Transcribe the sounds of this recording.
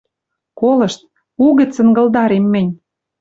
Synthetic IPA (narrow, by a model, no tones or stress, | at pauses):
kolɤ̆ʃt̪̚ | uɣɘ̆t͡sə̆nɡɤ̆ld̪ɑɾemːɘ̆nʲ